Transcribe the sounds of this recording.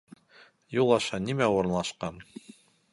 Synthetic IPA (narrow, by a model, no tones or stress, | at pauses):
julˠɑʃɑnimæuɾɤ̆nlˠɑʃqɑn